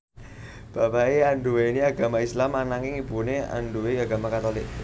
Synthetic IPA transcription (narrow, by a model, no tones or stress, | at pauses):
b̥a̤baeaɳɖuweiniaɡ̥a̤maislamanaŋɪŋib̥unea̰nɖuweaɡa̤makat̪olɪk̚